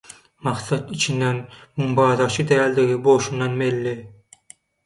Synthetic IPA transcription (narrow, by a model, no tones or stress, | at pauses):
mɑqθɑt̪it͡ʃʰinːænmumbɑːðɑʃɯt̪ʰææld̪eɡiboʃunːɑnmelːi